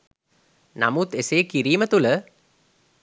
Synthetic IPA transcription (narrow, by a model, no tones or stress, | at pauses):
na̰mut̪eseːkiɾiːmət̪ulə